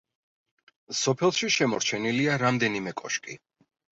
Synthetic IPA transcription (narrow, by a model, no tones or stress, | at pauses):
sɔpʰɛlˠʃiʃɛmɔ̰ɾt͡ʃʰɛniliaɾamd̪ɛnimɛkʼɔʃkʼi